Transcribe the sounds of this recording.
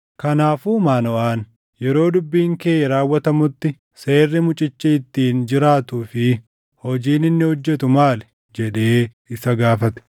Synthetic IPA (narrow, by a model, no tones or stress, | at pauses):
kɐnaːfuːmaːnɔʔaːn | jɛɾo̞ːd̪ʊbːiːŋkeːʔɐɾaːwːɐt̪ɐmʊt̪ːɪ | se̞ːrːɪmʊt͡ʃʼɪt͡ʃːɪɪt̪ːiːnd͡ʒɪɾaːt̪uːfɪ | hɔd͡ʒiːnɪnːɪhɔd͡ʒːɛt̪ʊmaːlɛ | d͡ʒɛᶑe̞ː | ɪsɐɡaːfɐt̪ɛ̥